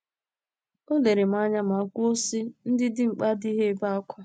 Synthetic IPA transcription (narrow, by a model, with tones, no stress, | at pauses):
o˦le˨ɾe˨m̩˨a˦ɲa˦m̩˨a˨kʷu˦o˦si˦n̩˦dɪ˦dɪ˦ŋ͡m̩˨k͡pa˦di˦ɦe˦e˦ba˦a˦kʷa˦